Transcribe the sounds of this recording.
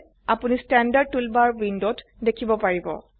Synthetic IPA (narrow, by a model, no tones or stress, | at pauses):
apunistɛndaɹd̚tulbaɹwindotdekʰibɔpaɹibɔ̰